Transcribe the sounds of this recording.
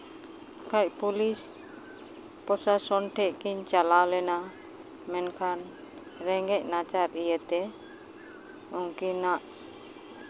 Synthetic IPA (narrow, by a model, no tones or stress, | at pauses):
kaiʔpulis | pɔsasɔnʈɛʔkiɲt͡ʃalalena | mɛnkʰan | ɾɛŋɡɛʔnat͡ʃaɾijet̪ɛ | uŋkinaʔ